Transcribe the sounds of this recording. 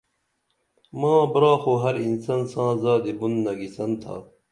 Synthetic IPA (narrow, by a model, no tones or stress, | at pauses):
mãːbɾaːxoɦɐɾinsɐnsãːzaːd̪ebunːɐɡisɐnt̪ʰa̰ː